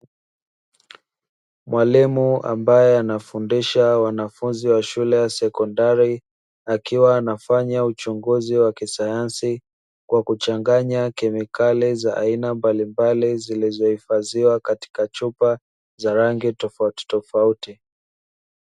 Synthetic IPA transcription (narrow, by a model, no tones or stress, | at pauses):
mwʔalimua̰mbajɛanafundiʃawanafunziwaʃulɛjasɛkɔndaɾi | akiwaːnafaɲaut͡ʃuŋɡuziwakisajansi | kwakut͡ʃaŋɡaɲakɛmikalizaʔa̰inambalimbalizilizɔhifaziwakati̥kat͡ʃupa | zaɾaŋɡitɔftɔfauti